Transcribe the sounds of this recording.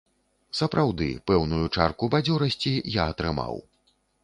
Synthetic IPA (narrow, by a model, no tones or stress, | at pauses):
sɐpɾʔawd̪ɨ̰pɛwnujut͡ʂarkubad͡zʲɔɾɐsʲt͡sʲijaɐt̪ɾɨma̰w